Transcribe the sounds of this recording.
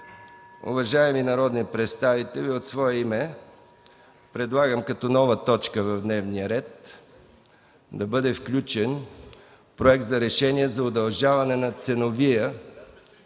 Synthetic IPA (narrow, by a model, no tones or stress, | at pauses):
ʊ̰vɐʒaɛminɐɾɔd̪nipɾɛt̪st̪avit̪ɛlʲiot̪svɔɛimɛ | pɾɛd̪lˠaɡəmkɐt̪ɔnɔvət̪ɔt͡ʃkəvɐvd̪nɛvnijəɾɛt̪ | d̪ɐbɤd̪ɛfklʲut͡ʃɛn | pɾoɛk̚t̪zɐɾɛʃɛniɛzɐod̪ɐlˠʒavɐnɛnɐt̪sɛnovijə